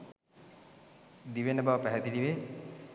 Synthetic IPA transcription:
d̪iʋenəbaʋəpæɦɛd̪id̪iʋe

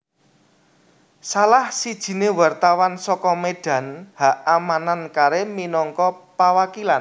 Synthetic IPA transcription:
salahsid̥ʒ̥i̤newart̪awansɔkɔmeɖ̥ä̤nhaamanankaɾeminɔŋkɔpawakilan

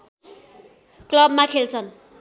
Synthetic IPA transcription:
klʌb̚makʰelt͡sʰʌn

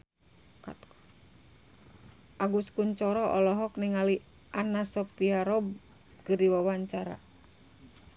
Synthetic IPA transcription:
ka̰t̪ | ʔaɡuskuɲt͡ʃɔɾɔʔɔlɔɦɔkniŋali | ʔanasɔpiaɾɔb̚ | kɨrdiwawaɲt͡ʃaɾa̰

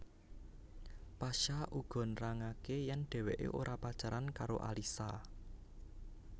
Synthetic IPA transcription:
paʃaʔuɡ̥ɔ̤nraŋakejanɖ̥ɛ̤weʔḛʔoɾʔapad̥ʒ̥aɾankaɾoʔa̰lisa

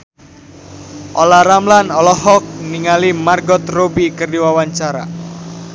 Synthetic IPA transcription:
ʔolaɾamlanɔlɔhɔk̚niŋalimarɡɔt̪robikərdiwawaɲt͡ʃaɾa̰

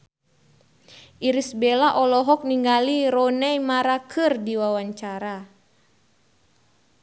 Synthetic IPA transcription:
ʔiɾisbɛlaʔɔlɔɦɔk̚niŋɡaliɾɔnɛjmaɾakʰɨrdiwawaɲt͡ʃaɾa

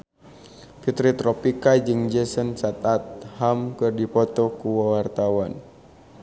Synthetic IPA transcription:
fit̪ɾit̪ɾɔpikad͡ʒɨŋd͡ʒɛsənsat̪at̪̚hamkɨrdipɔt̪ɔkuwawart̪awan

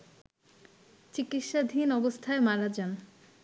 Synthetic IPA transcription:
t͡ɕikit̪ʃad̪ʱinɔbost̪ʰaemaɾad͡ʑan

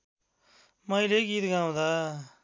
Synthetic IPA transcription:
mãːileːɡiːt̪ɡãːõd̪aː

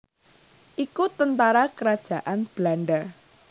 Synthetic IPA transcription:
ʔikut̪ənt̪aɾakəɾad̥ʒ̥ä̤ʔanb̥laɳɖa

